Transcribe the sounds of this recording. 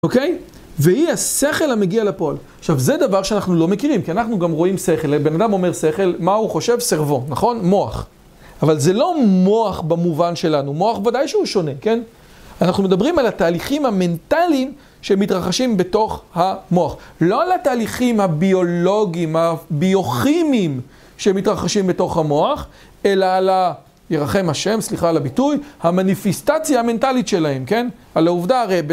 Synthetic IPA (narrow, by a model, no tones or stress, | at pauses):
oke̞j | vehiase̞χe̞lameɡialepo̞alaχʃavze̞d̪avaʁʃeanaχnulo̞me̞kiʁimkianaχnuɡamʁo̞imse̞χe̞lbe̞nadamo̞me̞ʁse̞χe̞lmauχo̞ʃe̞vseʁvo̞naχo̞nmo̞a̰χ | avalze̞lo̞mo̞aχbamuvanʃe̞lanumo̞aχbvadajʃeuʃo̞ne̞ke̞n | anaχnume̞d̪abʁimalataːliχimhame̞ntalim | ʃeemːitʁaχaʃimbe̞to̞χhamo̞aχlo̞alataːliχimhabio̞lo̞ɡiːmhabio̞χimim | ʃemitʁaχaʃimbe̞to̞χhamo̞aχ | e̞laːla | je̞ʁaχe̞mhaʃe̞msliχaːlabitujhamanifestat͡sjaame̞ntalitʃe̞lahe̞mke̞nalauvdaaʁejb